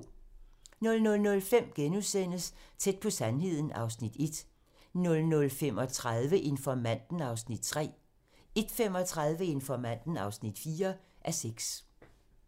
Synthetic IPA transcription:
nɔ̽lnɔ̽lnɔ̽lfem̰ɡ̥enusen̰əst͡sʰed̥̚pʰɒ̽sænɦe̝ð̞̰ˠn̩ɑ̈ʊsnid̥e̝d̥ | nɔ̽lnɔ̽lfem̰ɒ̽t͡sʰʁaðˠʋəʔe̝nfɒmæn̰d̥n̩ɑ̈ʊsnid̥̚t͡sʰʁɛ̰ː | e̝d̥fem̰ɒ̽t͡sʰʁaðˠʋəe̝nfɒmæn̰d̥n̩ɑ̈ʊsnid̥fiːɐʔæɐseɡ̥s

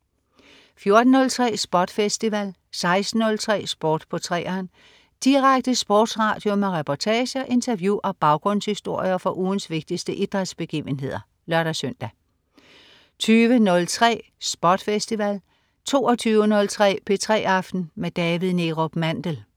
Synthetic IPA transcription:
fjo̝ɐd̥n̩ːɔ̽lt͡sʰʁɛ̰ːsb̥ɒd̥fesd̥iʋæl | sɑ̈ɪsd̥n̩ːɔ̽lt͡sʰʁɛ̰ːsb̥ɔːd̥pʰɒ̽t͡sʰʁɛ̰ːɐːn | d̥iʁaɡ̥̚d̥əsb̥ɔ̰ːd̥sʁɑ̈ːd̥jo̝meʁɛpʰɒt͡sʰɛːɕɐʔe̝nt͡sʰɐʋjuʔɒ̽b̥ɑ̈ʊɡ̥ʁɔ̽n̰shisd̥o̝ɐ̰jɐfɒ̽ʔuːn̩sʋe̝ɡ̥̚d̥isd̥əʔid̥ʁad̥ˠsb̥e̝ɡ̥ḭːʊənɦe̝ð̞̰ˠɐ | lɶɐɾ̥æsøn̰d̥æ | t͡sʰyːʋənɔ̽lt͡sʰʁɛ̰ːsb̥ɒːd̥fesd̥iʋæl | t͡sʰo̝̰ːɒt͡sʰyːʊənɔ̽lt͡sʰʁɛ̰ːpʰe̝t͡sʰʁɛ̰ːɑ̈fd̥n̩med̥ɛːʋið̩ˠne̝ʁob̥mænd̥əl

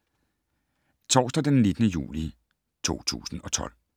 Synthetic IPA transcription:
t͡sʰɒ̰ːsd̥ɐd̥enːe̝d̥ənəjṵːli | t͡sʰo̝̰ːt͡sʰṵːsn̩ɒ̽t͡sʰɒ̽l̰

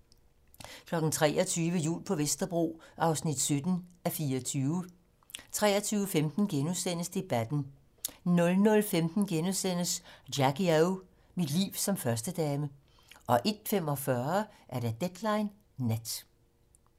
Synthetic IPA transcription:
kʰlɒ̽ɡ̥n̩t͡sʰʁɛ̰ːɒt͡sʰyːʋəjṵːlpʰɒ̽ʋesd̥ɐb̥ʁo̝̰ːʔɑ̈ʊsnid̥sød̥n̩æfiːɐɒt͡sʰyːʊə | t͡sʰʁɛ̰ːɐt͡sʰyːʊəfemd̥n̩ɡ̥enusen̰əsd̥e̝b̥æd̥n̩ | nɔ̽lnɔ̽lfemd̥n̩ɡ̥enusen̰əsd̥æɡ̥iaʊ | mid̥lḭːʊ̰sɒ̽mfɶɐsd̥əd̥ɛːmə | ʔɒ̽ʔe̝d̥fem̰ɒ̽fɶɐʔæɐɾæd̥ed̥lɑ̈ɪnː | ed̥

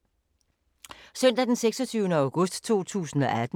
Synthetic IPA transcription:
sœn̰d̥æd̥enseɡ̥sɒ̽t͡sʰyːʊnəɑ̈ʊɡ̥ɔ̽sd̥t͡sʰo̝̰ːt͡sʰṵːsn̩ɒ̽ʔæd̥

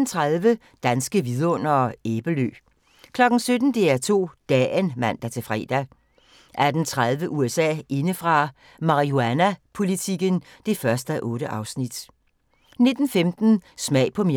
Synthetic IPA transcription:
n̩t͡sʰʁaðˠʋə | d̥ænsɡ̥əʋið̞ˠɐɔ̽n̰ɐeːb̥əlø̰̥ː | kʰlɒ̽ɡ̥n̩sød̥n̩d̥e̝æɐt͡sʰo̝̰ːd̥ɛːnmæn̰d̥æt͡sʰe̝fʁɛ̰ːd̥æ | ʔæɐd̥ent͡sʰʁaðˠʋəʔuesɛ̰ːe̝nəfʁɑ̈ | mɑ̈ʁioænæpʰo̝lit͡sʰiɡ̥ənd̥e̝fɶɐsd̥əʔɔ̽ːɾəʔɑ̈ʊsnid̥ | ne̝d̥n̩femd̥n̩smɛ̰ɪpʰɒ̽m

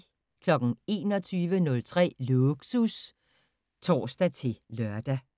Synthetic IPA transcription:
kʰlɒ̽ɡ̥n̩e̝ːnɒ̽t͡sʰyːʋənɔ̽lt͡sʰʁɛ̰ːluɡ̥sus | t͡sʰɒ̰ːsd̥æt͡sʰe̝lœɐ̰d̥æ

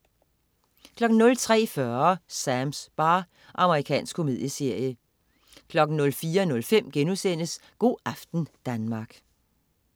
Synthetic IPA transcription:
kʰlɒ̽ɡ̥n̩nɔ̽lt͡sʰʁɛ̰ːfɶɐsæmsb̥ɑ̈ː | ʔɑ̈məʁikʰɛ̰ːnsɡ̥kʰo̝me̝ðˠjəse̝ɐ̰jə | kʰlɒ̽ɡ̥n̩nɔ̽lfiːɐnɔ̽lfem̰ɡ̥enusen̰əsɡ̥o̝̰ːæfd̥n̩d̥ænmɑ̈ɡ̥

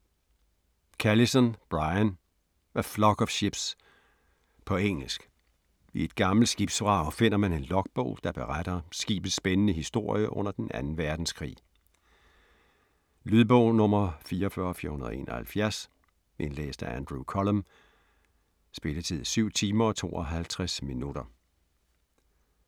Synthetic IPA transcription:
kʰælisɒnb̥ʁɑɪæn | ʋæflɒ̽ɡ̥ɒfɕib̥s | pʰɒ̽eŋ̰l̩sɡ̥ | ie̝d̥ɡ̥ɑ̈ml̩sɡ̥iːb̥sʋʁɑ̈ʊfe̝n̰ɐmæne̝nlɒ̽ɡ̥̚b̥ɔ̰ʊd̥ɑ̈b̥e̝ʁad̥ɐsɡ̥ḭːb̥ð̩ˠsb̥enənəɦisd̥o̝ɐ̰jəʔɔ̽n̰ɐd̥enʔæ̰nn̩ʋæɐd̥n̩skʰʁḭː | lyðˠb̥ɔʊ̰nɔ̽mɐfiːɐɒfɶɐɒfiɐhunɐðˠe̝̰ːnɒhælfjæɐs | ʔenlḛːsd̥æænd̥ʁukʰɒləm | sb̥e̝lət͡sʰið̞̰ˠsyʊ̰t͡sʰiːmɐɒ̽t͡sʰo̝̰ːɒɦælt͡sʰʁɛsminud̥ɐ

